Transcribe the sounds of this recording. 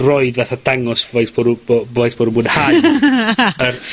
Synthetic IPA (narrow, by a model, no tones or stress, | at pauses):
rɔɨdvaθadaŋɔsvajsb̥ɔɾubovajsb̥ɔɾubuːdha | ər